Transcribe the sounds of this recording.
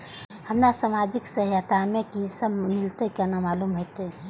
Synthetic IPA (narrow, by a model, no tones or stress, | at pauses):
ɦəmnasamad͡ʒiksəɦjat̪amẽkisəbmɪlt̪ekɛnamalumɦot̪e